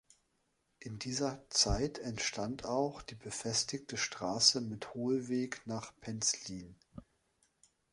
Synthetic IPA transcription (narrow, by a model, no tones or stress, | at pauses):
ʔɪndiːzɐt͡saɪtʰɛntʃtʰantʰaʊxd̥iːbəfɛstɪktəʃtʁ̥aːsəmɪthoːlveːknaːχpʰɛnsliːn